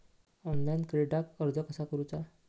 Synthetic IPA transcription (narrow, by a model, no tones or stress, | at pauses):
ɔnlajnkɾeɖakəɾd͡zəkəsakəɾut͡sa